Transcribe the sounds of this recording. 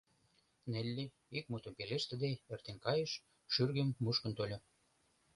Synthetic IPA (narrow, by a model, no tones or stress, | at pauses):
nelʲːe | ik̚mut̪ə̆mpeleʃt̪ə̆d̪eert̪enkɑjəʃ | ʃyrɣə̆mːuʃkə̆nt̪olʲo